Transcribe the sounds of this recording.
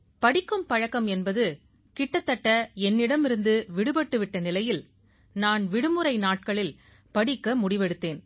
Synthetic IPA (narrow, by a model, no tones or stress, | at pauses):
pɐɽɪkːɯmpɐɻɐkːɐmɛnbɐðɯ | kɪʈːɐt̪ːɐʈːɐɛnːɪɽɐmɪɾɯnd̪ɯʋɪɽɯbɐʈːɯʋɪʈːɐnɪlɐjɪl | naːnʋɪɽɯmɯɾɐɪnaːʈ̚kɐɭɪl | pɐɽɪkːɐmʊɽɪʋɛɽɯt̪ːeːn